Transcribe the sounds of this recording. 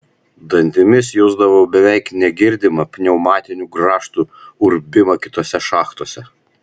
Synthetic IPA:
d̪ɐnʲt̪ʲɪmʲɪsjʊzd̪ɐʋoʊbʲɛʋʲɛɪknʲɛɡʲɪɾʲd̪ʲɪmɐpʲnʲɛʊmɑːt̪ʲɪnʲuːɡɾɑːʃt̪uʊɾʲbʲɪmɐkʲɪ̥t̪oːsʲɛʃɑːxt̪oːsʲɛ

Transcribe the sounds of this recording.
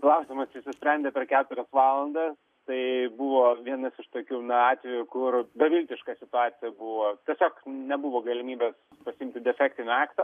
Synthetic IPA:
klˠɐʊsʲɪmɐst͡ʃʲɪsʲʊsʲpʲɾʲɛnʲd̪ʲeːpʲɛrkʲæːt̪ʊɾʲɛsʋɑːlˠɐnd̪ɐs | t̪ɐɪbuʋoːʋʲiɛnɐsɪʃt̪oːkʲuːnɐɑːt̪ʲʋʲɛjʊkʊrbɐʋʲɪlʲt̪ʲɪʃkɑsʲɪt̪ʊɑːt̪sʲɪjɛbuʋoːt̪ʲiɛsʲoːknʲɛbuʋoːɡɐlʲɪmʲiːbʲeːs | pɐsʲɪɪmʲt̪ʲɪd̪ʲɛfʲæːkt̪ʲɪnʲɑːkt̪ɐ

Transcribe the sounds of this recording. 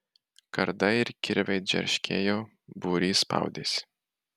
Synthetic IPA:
kɐɾd̪ɐɪɾkʲɪɾʲʋʲɛɪd͡ʒʲɛ̰ɾʲʃʲkʲʰḛːjoː | buːɾʲiːspɐ̰ˑʊd̪ʲeːsʲɪ̥

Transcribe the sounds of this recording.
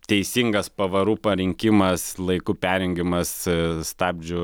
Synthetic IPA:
t̪ʲɛɪsʲiŋɡɐspɐʋɐɾuːpɐɾʲɪŋʲkʲɪmɐslˠɐɪkuːpʲæːɾʲɛŋʲɡʲɪmɐsst̪ɑːbʲd͡ʒʲʊ

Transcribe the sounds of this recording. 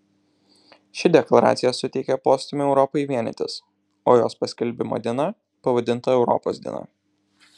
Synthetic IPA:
ʃʲɪd̪ʲɛklˠɐɾɑ̰ːt̪sʲɪjɛsʊt̪ʲɛɪkʲɛpoːsʲt̪ʲɪmʲʊɛʊɾɔpoiʋʲiɛnʲɛ̰t̪ʲɪ̰s | o̰ːjoːspɐsʲkʲɛlʲˑbʲɪmo̰ːd̪ʲiɛnɑ | pɐʋɐd̪ʲɪnˑt̪ɐɛʊɾɔ̰po̰ːsd̪ʲḭnɑ̰

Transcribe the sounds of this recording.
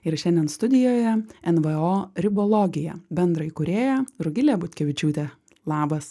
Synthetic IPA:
ɪɾʃʲɛnʲd̪ʲɛnst̪ʊd̪ʲɪjoːjɛɛnʋɨoːɾʲɪbolˠoːɡʲɪjɛbʲɛnd̪ɾɐɪikʊɾʲeːjɛɾʊɡʲɪlʲeːbʊt̪ʲkʲɛʋʲɪt͡ʃʲuːt̪ʲeː | lˠɑːbɐs

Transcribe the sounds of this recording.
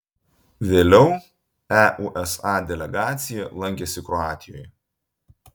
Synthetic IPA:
ʋʲeːlʲɛʊ | æʔuʔɛsɑːd̪ʲɛlʲɛɡɑːt̪sʲɪjɛlˠɐŋʲkʲesʲɪkɾɔɑːt̪ʲɪjoːj

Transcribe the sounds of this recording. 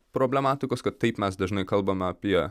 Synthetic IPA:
pɾoːbʲlʲɛmaːt̪ʲɪkoːskɐt̪t̪ːɐɪpmʲɛsd̪ɐʒʲnɐɪkɐlˠbɐmʲɛɐpʲiɛ

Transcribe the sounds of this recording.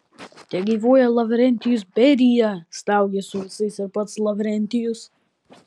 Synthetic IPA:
t̪ʲɛɡʲiːʋoːjɛlˠɐʋʲɾʲɛnʲt̪ʲɪjʊs̬bʲɛɾʲijɛst̪ɐˑʊɡʲɛsʊʋʲɪsɐɪsɪɾpɐt̪slˠɐʋʲɾʲɛnʲt̪ʲɪjʊs

